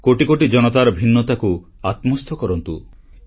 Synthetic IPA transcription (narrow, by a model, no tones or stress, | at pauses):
koʈikoʈid͡ʒɔñɔt̪aɾɔbʱinːɔt̪akuat̪mɔst̪ʰɔkɔɾɔnt̪u